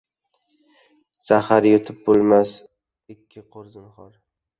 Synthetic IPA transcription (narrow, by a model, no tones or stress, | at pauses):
sahaɾjot̪ʰɪp̚bolˠmas | ɪkʲʰːɪqʰoɾzɪnχɒɾ